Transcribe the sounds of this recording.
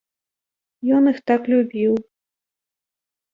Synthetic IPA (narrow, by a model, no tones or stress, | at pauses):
jɔnɨxt̪aklʲubʲiw